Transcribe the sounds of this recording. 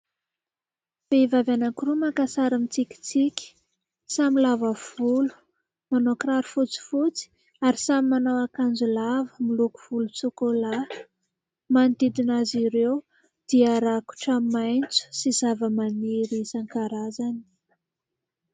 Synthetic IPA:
v̥evavanakirumakasaɾamit͡sikʲi̥t͡sikʲi̥ | samilavav̥ulu̥ | monokraɾfut͡si̥fut͡si̥ | aɾisamimanowakand͡zulavəmiluku̥v̥ulut͡sukola | mand̪id̪inaziɾew | d̪̥iəaɾaku̥ʈ͡ʂəmajnt͡su̥sizavəmaniɾisaŋkaɾazani̥

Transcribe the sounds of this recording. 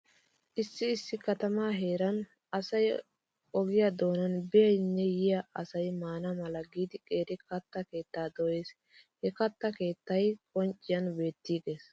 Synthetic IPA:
ʔɪsːɪːsːɪkɐt̪ɐmaːɦe̞ːɾɐn | ɐsɐj | ɔɡɪjɐd̪o̞ːnɐnbɪjɐjnːɛjɪjɐɐsɐjmaːnɐmɐlɐɡiːd̪ɪkʼe̞ːɾɪkɐt̪ːɐke̞ːt̪ːaːd̪ɔjeːs | hɛkɐt̪ːɐke̞ːt̪ːɐjkʼɔnt͡ʃʼːɪjɐnbe̞ːt̪ːiːɡe̞ːs

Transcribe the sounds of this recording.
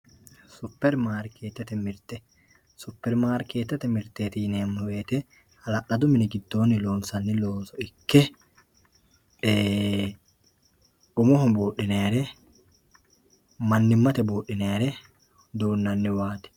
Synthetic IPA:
sʊpːɛɾmaːɾkʰeːt̪ːɐt̪ɛmɪɾt̪ɛ | sʊpːɛɾmaːɾkeːt̪ːɛt̪ɛmɪɾt̪eːt̪iːneːmːʊweːt̪ɛ | hɐlɐʔɐd̪ʊmɪnɪɡɪd̪ːo̞ːnːɪlo̞ːnsɐnːɪloːnsɔɪkːɛ | ʊmɔɦɔmbuːʔːɪneːɾɛ | mɐnːɪmːɐt̪ɛbuːʔːɪneːɾɛ | d̪uːnːɐnːɪwaːt̪ɪ̥

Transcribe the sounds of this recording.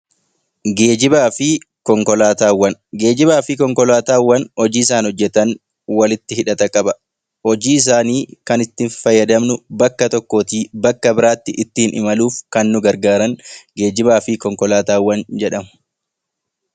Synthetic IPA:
ɡe̞ːd͡ʒɪbaːfɪ | kɔŋkɔlaːt̪aːwːɐnɡe̞ːd͡ʒɪbaːfɪkɔŋkɔlaːt̪aːwːɐnhɔd͡ʒiːɪs̬aːnɔd͡ʒːɛt̪ɐn | wɐlɪt̪ːɪhɪᶑɐt̪ɐkʼɐbɐ | hɔd͡ʒiːɪs̬aːniːkɐnɪt̪ːɪfɐjːɐd̪ɐmnʊbɐkːɐt̪ɔkːoːt̪iːbɐkːɐbɪɾaːt̪ːɪʔɪt̪ːɪhɪnʔɪ̰mɐluːfkɐnːʊɡɐɾɡaːɾɐŋɡe̞ːd͡ʒɪbaːfɪkɔŋkɔlaːt̪aːwːɐnd͡ʒɛᶑɐmʊ̥

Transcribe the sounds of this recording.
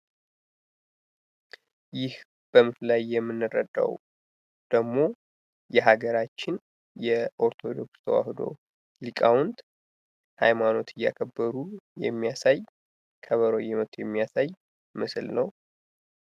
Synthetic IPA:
jɪh | b̥əmɨflajːɛmːɨnːɨrəd̪a̰w | d̪̥əɡmo̞ | jɛɦaɡəɾat͡ʃːɪn | jɛʔo̞ɾt̪ʰo̞d̪o̞kst̪ʰəwa̰hɨd̪o̞̰ | likʼawʊnd̪ | ha̰jmano̞t̪ʰɨjːa̰kʰəbːəɾujɛ̰mːijasaj | kʰəβəɾojɛmət̪ʰjɛmːijasaj | mɨslnəw

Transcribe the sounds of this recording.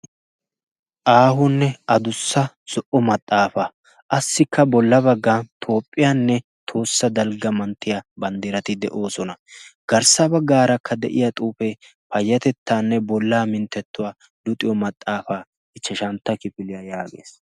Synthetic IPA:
ʔaːɦʊnːɛɐd̪ʊsːɐ | sɔʔɔmɐt̪ʼːaːfɐ | ʔɐsːɪkːɐbɔlːɐbɐɡːaːnt̪ʰo̞ːpʼːɪjaːnːɛ | t̪ʰo̞ːsːɐd̪ɐlɡɐmɐnt̪ːɪjɐbɐnd̪iɾɐt̪ɪd̪ɛ̰ʔo̞ːsɔnɐɡ̥ɐɾsɐbɐɡːaːɾɐkʰːɐd̪ɛ̰ʔɪ̰jat̪ʼuːfɛ | pɐjːɐt̪ɛt̪ːaːnːɛbɔlːaːmɪnt̪ːɛt̪ːʊwaː | dʊt̪ʼɪjɔmɐt̪ʼːaːfaː | ɪt͡ʃːɛʃɐnt̪ːɐkɪfɪlɪjɐjaːɡḛːs

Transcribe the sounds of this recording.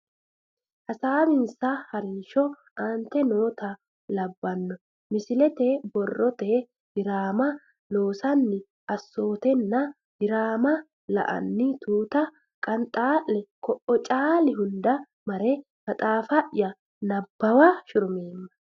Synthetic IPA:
ʔɐsaːbɪnsɐhɐɾiːʃɔ | aːnt̪ɛno̞ːt̪ɐ | lɐbːɐnːɔ | mɪsɪlɛt̪ebɔrːɔt̪e | hɪɾaːmɐ | lo̞ːsɐnːɪ | ʔɐsːo̞ːt̪ɛnːɐ | hɪɾaːmɐ | lɐ̰ʔɐ̰nːɪt̪uːt̪ɐ | kʼɐnt̪ʼaːʔːɛkɔʔɔt͡ʃʼaːlɪɦʊnd̪ɐ | mɐɾɛ | mɐt̪ʼaːfɐʔɪjɐ | nɐbːɐwaʃʊɾʊmeːmːɐ̥

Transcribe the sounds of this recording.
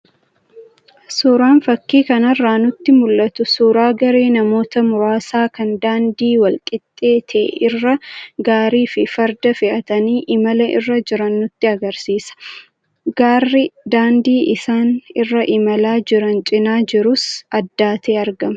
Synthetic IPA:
suːɾaːnfɐkːiːkɐnɐrːaːnʊt̪ːɪmʊlːɐt̪ʊsuːɾaːɡɐɾe̞ːnɐmo̞ːt̪ɐmʊɾaːsaːkɐnd̪aːnd̪iːwɐlkʼɪt̪ʼːe̞ːt̪ʰɛ̰ʔɪrːɐɡaːɾiːfɪfɐɾd̪ɐfɪʔɐt̪ɐniːʔɪmɐlɐʔɪ̰rːɐd͡ʒɪɾɐnːʊt̪ːɪɐɡɐɾsiːsɐ̥ | ɡaːrːɪd̪aːnd̪iːʔɪsaːnɪrːɐʔɪmɐlaːd͡ʒɪɾɐnt͡ʃʼɪnaːd͡ʒɪɾʊsɐd̪ːaːt̪ʰeːɐɾɡɐmɐ

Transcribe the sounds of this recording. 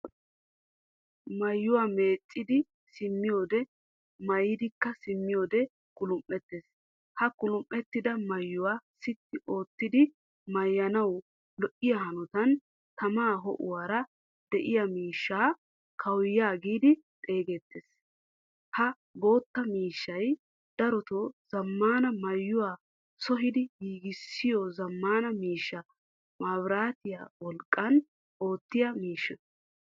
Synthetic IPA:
mɐjːʊwaːmeːt͡sʼːɪd̪ɪ | sɪmːɪjo̞ːd̪ɛ | mɐjːɪd̪ɪkːɐsɪmːɪjoːd̪ɛ | kʼʊlʊmʔːɛt̪ːeːs | hɐkʼʊlʊmʔːɛt̪ːɪd̪ɐmɐjːʊwaːsɪt̪ːɪʔo̞ːt̪ːɪd̪ɪ | mɐjːɐnɐw | lɔʔɪjɐhɐnɔt̪ɐn | t̪ɐmaːɦɔ̰ʔʊ̰waːɾɐ | d̪̥ɛʔɪjɐmiːʃːaː | kʰɐwjaːɡiːd̪ɪ | t̪ʼe̞ːɡeːt̪ːeːs | hɐ | bo̞ːt̪ːɐmiːʃːɐj | d̪̥ɐɾɔt̪ɔz̥ɐmːaːnɐmɐjːʊwaː | sɔɦɪd̪ɪɡiːɡɪsːɪjɔzɐmːaːnɐmiːʃːɐ | maːbɾaːt̪ɪja̰wɔlkʼːɐn | ʔo̞ːt̪ːɪjɐmiːʃːɔ

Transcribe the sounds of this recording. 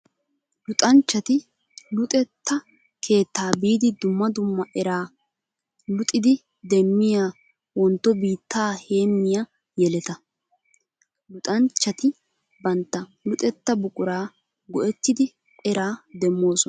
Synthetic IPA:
lʊt̪ʼɐnt͡ʃːɐt̪ɪ | lʊt̪ʼɛt̪ːɐ | kʰe̞ːt̪ːaːbiːd̪ɪd̪ʊmːɐd̪ʊmːɐʔɛɾaː | lʊt̪ʼːɪd̪ɪ | d̪ɛmːɪjaː | wɔnt̪ːɔbiːt̪ːaːhe̞ːmːɪja | jɛlɛt̪ɐ | lʊt̪ʼɐnt͡ʃːɐt̪ɪ | bɐnt̪ːɐlʊt̪ʼɛt̪ːɐbʊkʼʊɾaː | ɡɔʔɛt̪ːɪd̪ɪ | ɛɾaːd̪ɛmːo̞ːsɔn

